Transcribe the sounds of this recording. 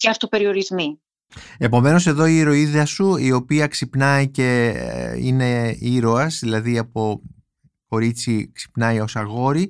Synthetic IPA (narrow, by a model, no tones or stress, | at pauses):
ceɐft̪ope̞ɾio̞ɾizmi | e̞po̞me̞nos̬e̞ðo̞iɾo̞iðeɐsuio̞piɐksipnɐice̞ | ḭne̞iɾo̞ɐzðilɐðiɐpo̞ | ko̞ɾit͡siksi̥pnɐjo̞sɐɣo̞ɾi